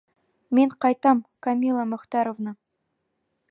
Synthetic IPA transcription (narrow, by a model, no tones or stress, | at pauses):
meɴqʰɑjt̪ɑmkʰamʲilˠamʊqt̪ɑɾovnə